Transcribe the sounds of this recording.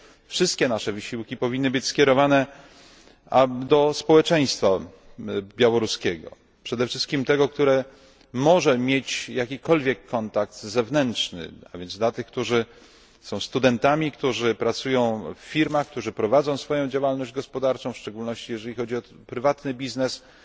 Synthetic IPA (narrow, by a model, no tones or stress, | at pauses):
fʂɘst̪̚kʲɛnaʂɛvɘɕiwkʲipɔvʲinːɘbɘt͡ɕskʲjɛɾɔvanɛ | ad̪ɔspɔwɛt͡ʂɛj̃st̪fa | bʲjawɔɾuskʲɛɡɔ̰ | pʂɛd̪ɛfʂɘst̪kʲimt̪ɛɡɔk̚t̪uɾɛ | mɔʐɛmʲjet͡ɕjakʲikɔlvʲjɛkʰːɔnt̪ak̚t̪zɛvnɛntʂnɘ̰avʲjɛnzd̪lat̪ɘxk̚t̪uʐɘ | sɔ̃w̃st̪ud̪ɛnt̪amʲikt̪uʐɘpɾat̪sujɔ̃w̃fːʲiɾmaxk̚t̪uʐɘpɾɔvad̪zɔ̃w̃sfɔjɔ̃w̃d͡ʑawalnɔʑd͡ʑɡɔspɔd̪aɾt͡ʂɔ̃w̃fʂt͡ʂɛɡulnɔɕt͡ɕijɛʐɛlʲixɔd͡ʑiɔ | pɾɘvat̪nɘbʲiznɛs